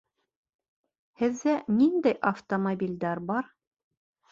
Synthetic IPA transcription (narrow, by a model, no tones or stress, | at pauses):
hɘ̆ðːænind̪æjʔɐft̪omobʲilʲd̪æɾbɑɾ